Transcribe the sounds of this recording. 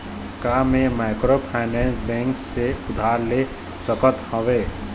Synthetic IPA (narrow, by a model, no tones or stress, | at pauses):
kamemaɪkɾopʰaɪnɛ̃nsbɛ̃ŋkseʊd̪ʱaɾle | səkət̪hɔʋe